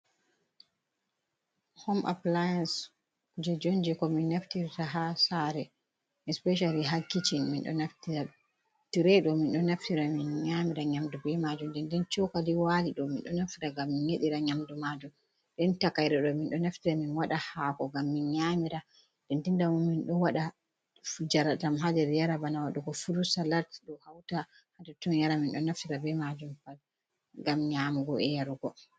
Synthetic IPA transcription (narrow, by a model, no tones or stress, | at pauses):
homʔa̰plajans | kud͡ʒɛd͡ʒond͡ʒɛkɔminːaftiɾtaɦasaɾɛ | ɛspɛʃ̬aliɦakːit͡ʃinminɗɔ̰naftia | tiɾɛɗɔminɗɔnaftiɾaminɲamiɾaɲamdɔbɛmad͡ʒumdɛndɛnt͡ʃɔwkaliwaliɗɔminɗɔnaftiɾaɡamːinɲeɗiɾaɲamdɔmad͡ʒum | dɛntakajɾɛɗɔminɗɔnaftiɾaminwaɗahakɔɡamːinɲamiɾa | d̥ɛntindamuminɗɔwaɗa | fud͡ʒaɾatamɦadɛɾjaɾabanawaɗɔɡɔfuɾusalaɾtiɗɔhawta | hadɛtɔnjaɾaminɗɔnaftiɾabɛmad͡ʒumfal | ɡamɲamuɡɔɛjaɾɡɔ